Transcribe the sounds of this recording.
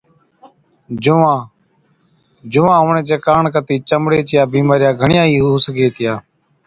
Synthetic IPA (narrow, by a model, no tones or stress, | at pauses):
d͡ʒʊʋãː | d͡ʒʊʋãːɦʊːɳẽːd͡ʒeːkaːɳkət̪iːt͡ʃəmɽeːt͡ʃɪjaːbiːmaːɾɪjaːɡʱəɳɪjãːiːɦuːsəkeːt̪ʰɪjaː